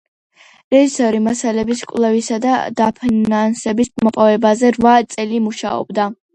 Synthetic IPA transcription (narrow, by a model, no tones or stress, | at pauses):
ɾɛʒisɔɾimasalɛbiskʼvlˠɛvisad̪a̰d̪̥apʰinansɛbismɔpʼɔvɛbazɛɾvat̪sʼɛlimuʃaɔ̰bd̪a